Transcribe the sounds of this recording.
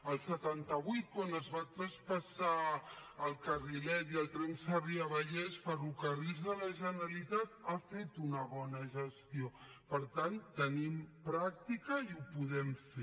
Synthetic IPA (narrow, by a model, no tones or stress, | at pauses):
əlˠsət̪ant̪əβujt̪̚kwanəzβat̪ɾəspəsaəlˠkərilɛt̪iəlˠt̪ɾɛnsəriəβəʎɛsfərukərizðələʒənɾəlit̪at̪afet̪unəβɔnəʒəst̪ijo | pəɾt̪ant̪ənimpɾak̚t̪ikəiupuðɛmfe